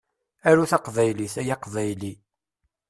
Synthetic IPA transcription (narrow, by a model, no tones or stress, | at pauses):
æɾuθɑqvæjliθæjɑqvæjli